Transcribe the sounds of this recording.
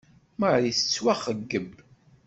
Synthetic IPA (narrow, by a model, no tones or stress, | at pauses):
məʕjəθt͡sːwaχəɡːəb